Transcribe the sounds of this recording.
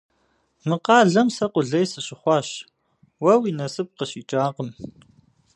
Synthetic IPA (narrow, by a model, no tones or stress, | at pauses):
mɨqɑːɮɐmsɐqʷʊɮɐjsɨɕɪχʷɑːɕ | wɐwinɐsɨp̚qəɕiːt͡ʃʼaːqəm